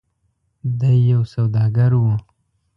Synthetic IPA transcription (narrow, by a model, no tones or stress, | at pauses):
d̪ajːawsawd̪ɑɡaɾwu